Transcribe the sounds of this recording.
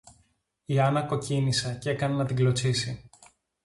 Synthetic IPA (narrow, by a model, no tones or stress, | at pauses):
iɐnɐko̞cinisɐce̞kɐnɐnɐt̪iɡlo̞t͡sisi